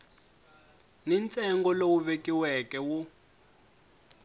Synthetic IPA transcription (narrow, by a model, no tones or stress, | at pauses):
nint͡sʼɛŋɡɔlowuβekʼiwɛkɛwu